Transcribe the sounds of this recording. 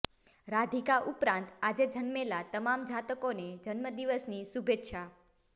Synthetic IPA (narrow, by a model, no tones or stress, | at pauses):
ɾad̪ʱikaʔupɾãnt̪ad͡ʒed͡ʒənmelat̪əmamd͡ʒʱat̪əkoned͡ʒənməd̪iʋəsnisubʱet̪ʃʰa